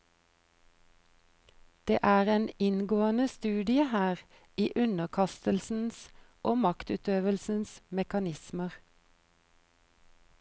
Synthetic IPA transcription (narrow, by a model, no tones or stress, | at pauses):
d̪̥ḛːʔæːʁeːnɪnɡoːənəst̪ʉːd̪ɪəhæːʁ | iːʔʉnəʁkʰɑst̪əlsn̩sʔoːmɑkt̪ʉːt̪øːʋəlsn̩smɛkɑnɪsməʁ